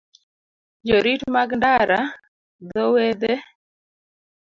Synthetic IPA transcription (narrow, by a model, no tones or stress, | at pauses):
d͡ʒoɾitmaɡndaɾa | d̪ɔwed̪e